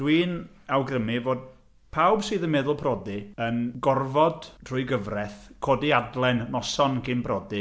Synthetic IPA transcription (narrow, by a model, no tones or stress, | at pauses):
d̥wiːn | awɡrəmivoːd̚ | pʰawbsɨːðənmɛðʊlˠpʰrɔdiənɡɔrvɔdʰr̥ʊjɡəvrɛθkʰoːdiadlˠɛnːɔsɔnkʰɪmpʰrɔdi